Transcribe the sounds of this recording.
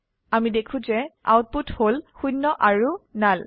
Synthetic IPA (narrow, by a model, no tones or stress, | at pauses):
amidekʰũzɛa̰wt̚putholxunːɔʔaɹunal